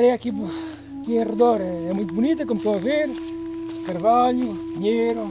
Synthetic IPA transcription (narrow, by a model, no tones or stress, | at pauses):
ɾɛakip | kiẽreðoɾɛɛmũj̃t̪ubunit̪ɐkomt̪oɐveɾ | kaɾvaʎupiɲejɾu